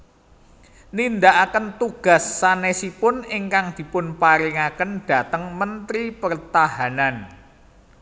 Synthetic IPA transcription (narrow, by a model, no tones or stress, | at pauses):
nind̪aʔakənt̪uɡ̥a̤sːanesipʊnɪŋkaŋd̪̥i̤pʊnpaɾiŋakənd̪̥a̤t̪əŋmənt̪ɾipərt̪ahanan